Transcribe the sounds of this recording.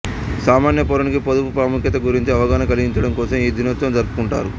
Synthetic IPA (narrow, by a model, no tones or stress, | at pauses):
saːmaːnjɐp̬oɾunikipod̪upupɾaːmukjɐt̪̬ɐɡuɾiɲt͡ʃiɐʋɐɡaːnɐkɐliɡiɲt͡ʃɐɽɐmkɔːsɐmiːd̪inɐt̪ːɾɐmd͡ʒɐɾpu̥kuɳʈa̰ːɾu